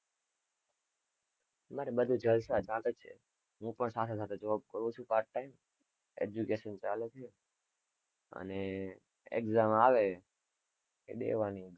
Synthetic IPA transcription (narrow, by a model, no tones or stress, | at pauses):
maɾibəd̪ʱud͡ʒəlsad͡ʒãlet͡ʃʰḛ | ɦũpəɳsat̪ʰes̬at̪ʰed͡ʒəʋab̚kəɾũt͡ʃʰũkaɾkʈaim | ḛd͡ʒukeʃənt͡ʃalet͡ʃʰe | ə̰ne | ɛ̰kzamaʋe | ḛɗḛʋani